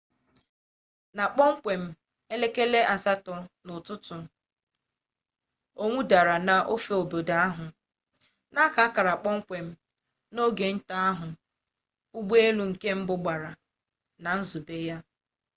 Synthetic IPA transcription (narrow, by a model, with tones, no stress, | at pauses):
na˨k͡pɔ˦ŋ̩˦kʷe˨m̩˦ | e˦le˦ke˦le˦ʔa˨sa˦tɔ˨nʊ˨tʊ˦tʊ˨ | o˦ŋʷu˦da˨ɾa˨na˨ʔo˦fe˨o˨bo˨da˨a˦ɦʊ˨ | na˦ka˨˦ka˨ɾa˨k͡pɔ˦ŋ̩˦kʷe˨m̩˦ | no˦ɡe˨n̩˦ta˦a˦ɦʊ˨ | u˦ɡ͡be˦e˦lu˨ŋ̩˨ke˦m̩˦bʊ˨ɡ͡ba˨ɾa˨ | na˨n̩˦zu˨be˦ja˦